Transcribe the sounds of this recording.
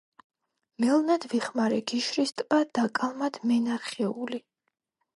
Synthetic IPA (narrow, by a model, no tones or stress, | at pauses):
mɛlˠnɛd̪̥viχmaɾɛɡiʃɾist̪ʼbʼad̪̥akʼalˠmad̪̥mɛnaχɛuli